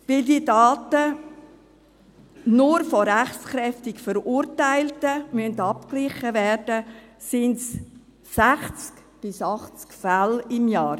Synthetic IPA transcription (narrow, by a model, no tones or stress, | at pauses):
ʋɪldiədɑːtə | nʊɾfɔɾæχt͡sχɾɛftɪkfəɾuɾtaɪltəmyəntɑp̚klɪχəvɛrd̥əsɪnts | sæχt͡sk | b̥ɪsɑχt͡skfælɪmjɑːɾ